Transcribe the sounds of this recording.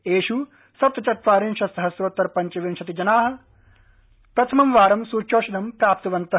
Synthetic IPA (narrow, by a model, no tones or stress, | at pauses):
eːʃu | sɐt̪ʋɐt͡ʃɐt̪̚ʋaːɾinʃɐsɐɦɐsʋɐt̪ːɐɾpɐɲt͡ʃɐʋinʃɐt̪id͡ʒɐnaːɦɐ̆ | pɾɐt̪ʰɐmɐmʋaːɾɐmsuːɾt͡ʃoːʃɐd̪ɐmpɾaːp̚t̪ɐʋɐnt̪ɐ